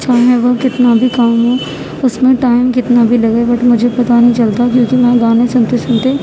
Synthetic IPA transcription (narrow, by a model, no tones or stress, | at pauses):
ʃʰaɦɛ̃ʋəkɪt̪nabʱikaːmɦõ | ʊsmẽʈaːɪmkɪt̪nabʱilɐɡebɐʈʰmʊd͡ʒʱepɐt̪anəɦĩt͡ʃɐlt̪akjõːkimɛ̃ːɡaːnẽsʊ̃nt̪esʊ̃nt̪e